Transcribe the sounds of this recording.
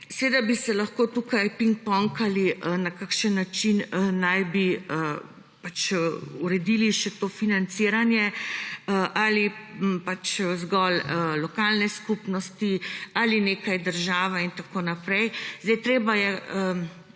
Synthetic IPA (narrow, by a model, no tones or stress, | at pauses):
sɛʋed̪abisɛlaxkoːt̪ukajpiŋk̚pɔŋkaliʔənakakʃənːat͡ʃinəːajbiə | pat͡ʃuɾɛd̪iliʃɛt̪ofinant̪siɾanjɛəʔalipat͡ʃzɡɔləːɔkaːlnɛskupnɔst̪ialineːkajd̪əɾʒaːʋaint̪akoːnapɾɛjzd̪ɛjt̪ɾeːbajɛə